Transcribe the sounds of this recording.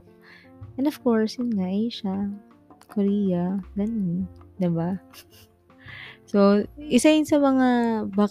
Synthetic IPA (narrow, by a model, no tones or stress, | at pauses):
ʔɛ̃nd̪ɔv̥koɹsjʊnŋaʔejʃa | koɾiːjɐlɐnɪd̪ɪba | so̞ʔɪsajʊnsɐmɐŋabaːk